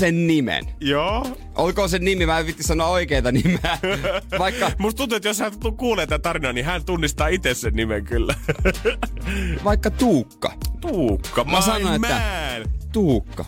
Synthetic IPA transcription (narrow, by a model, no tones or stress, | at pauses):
sennimḛnjoː | ʔolkoːsennimimæpit̪ːissɑnoɑoikeːt̪ɑnimeæʋɑikːɑmust̪unt̪uet̪joshæukuːleːt̪ːæt̪ɑrinoɑːnihænt̪unːist̪ɑːit̪essennimeŋkylːæ | ʋɑikːɑt̪uːkːɑ̰t̪uːkːɑmæsɑnoemːænt̪uːkːɑ̰